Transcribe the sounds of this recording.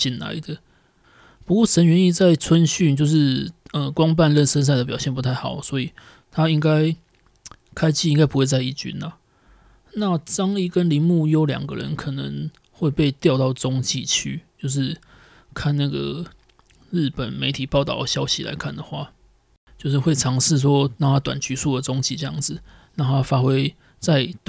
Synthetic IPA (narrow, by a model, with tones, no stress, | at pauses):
t͡ɕi˨˩nla̰˨˦ɪd̪ə˨˦ | pu˧˥kwɔ˥˩ʂə˧˥nɥɛ˧ni˥˧t͡sa˥˩ɪt͡sʰwə˦nɕy˥˨nt͡ɕjo˥˧ʊʂɻ̩˥˩ə˨kwɑ˦ŋp̬a˥˧nlə˥˨nsə˥˦ns̬a˥ɪd̪ə˩p̬jɑ˨˩ʊɕjɛ˥˨npu˧˦t̪ʰa˥˩ɪxɑ˨˩ʊswɔ˧˦˥i˨˩ | t̪ʰa˦i˥ŋka˦˥ɪ | kʰa˥ɪt͡ɕi˥˨i˥ŋka˥ɪpu˧˦xwe˥˧ɪt͡sa˧ɪi˥˩t͡ɕy̰˥nla˨ | na˥˩˨t͡sɑ˥ŋi˥˩kə˦nli˧˥nmu˥˨˩jo˧˥ʊljɑ̰˨˩ŋɡə̰˨ɻə̰˧˦nkʰɤ˨˩nə˧˦ŋ | xwe˥˧ɪpe˥˧ɪt̪jɑ˥˧ʊt̪ɑ˥˩ʊt͡sɔ˦˥ŋt͡ɕi˥˧t͡ɕʰy˥t͡ɕjo˥˧ʊʂ̬ɻ̩˥˧ | kʰa˥˨nna˥˩ɡə̰˩ | ɻ̩˥˩pə˨˩nme˧ɪt̪ʰi˨˩pɑ˥˧ʊt̪ɑ̰˥˩ʊɕjɑ˥ʊɕi˧˦la̰˧˥ɪkʰa˥˩nd̪ə˩xwa̰˥˧ | t͡ɕjo˥˧ʊʂɻ̩˥˧xwe˥˩ɪʈ͡ʂʰɑ˧˥ŋʂɻ̩˥˨˩s̬wɔ˦na˥˩ŋt̪ʰa˦˥t̪wa̰˨˩nt͡ɕy˧˥su˥˩d̪ə˩t͡sɔ˥ŋt͡ɕi˥˧ʈ͡ʂɤ˥˧jɑ̰˥˩ŋd͡zɹ̩˨˩ | na˥˩t̪ʰa˦fa˥xwe˥ɪ | t͡sa˥˩ɪ